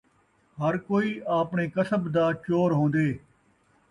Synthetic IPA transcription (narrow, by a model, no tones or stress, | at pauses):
ɦəɾkoːiːʔaːpɳeːkəsəbd̪aːt͡ʃoːɾɦõːnd̪eː